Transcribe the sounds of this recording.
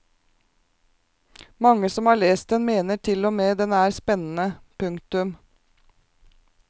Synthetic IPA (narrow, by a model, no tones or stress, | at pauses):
mɑŋəsɔmhɑːɭeːst̪̚d̪ɛnmeːnəʈʰɪlɔmeːd̪ɛnæːɾspɛnn̩əpʰʉŋkt̪ʉm